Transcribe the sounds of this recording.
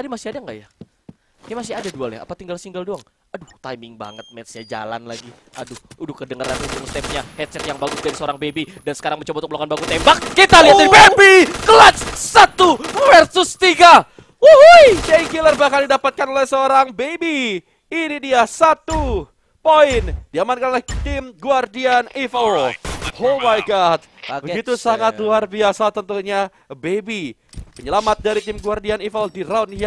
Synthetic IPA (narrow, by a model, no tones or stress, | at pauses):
t̪adimasɪadaŋɡa̰ʔja | jamasɪadadua̰lja̰a̰pat̪iŋɡalsiŋɡaldoaŋ | adut̪ajmɪŋba̰ŋət̪̚mɛsɲad͡ʒa̰la̰nla̰ɡiʔa̰dʊudʊhkədəŋəɾa̰nut̪umst̪ɛp̚ɲahɛt̪̚sɛt̪jaŋbaɡʊsdaɾisəoɾaŋbebidansə̥kaɾaŋməɲt͡ʃobaut̪uk̚mlokanbaɡut̪embakːit̪aliɦat̪ibebikəlatsat̪ufərsʊst̪iɡa | ujd͡ʒaiŋkilərbahkaldidapat̪̚kanolɛhsəoɾaŋbebiː | nidiasat̪u | poɪnd̥iamankanolɛht̪ɪmɡuardianifalhomajɡat̪̚bəɡit̪usaŋat̪̚luarbiasat̪ənt̪uɲa | bebi | pəɲəlamat̪̚daɾit̪ɪmɡuardianifəldiɾaunja